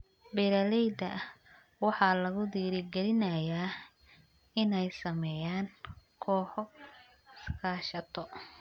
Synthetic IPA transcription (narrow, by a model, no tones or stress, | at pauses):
bɛɾɐlɛjd̪ɐ | wɑħɑːlɐɣʊd̪iːɾɪɡɛlɪnɐjaː | ɪnɛjsɐmɛjaːŋkʰɔːħɔ | ɪskʰaːʃɐt̪ʰɔ